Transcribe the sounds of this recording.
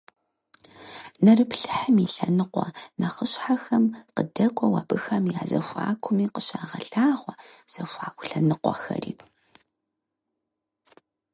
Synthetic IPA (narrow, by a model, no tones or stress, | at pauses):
nɐrɨpɬɨħɨmiɬɐnɨqʷɔnɐχəɕħaxɐmqədɐkʷʼɔwa̰ːbɨxɐmjaːzɐfʷa̰ːkʷʰʊmiːqəɕaːʁɐɬaːʁʷɔz̥ɐfʷaːkʷʰʊ̥ɬɐnɨqʷɔ̰xɐ̰rḭːpʰ